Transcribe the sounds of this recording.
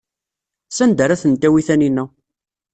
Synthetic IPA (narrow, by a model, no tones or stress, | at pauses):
sænd̪əɾæθənt̪ːæwiθæninːæ